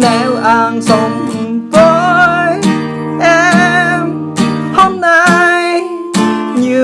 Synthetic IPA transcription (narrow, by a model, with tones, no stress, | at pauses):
nɛ˧˦wʔaː˧nso˧˦ŋ͡mvə˧j | ʔɛ˧m | ho˧mna˧j | ɲɨ˧˩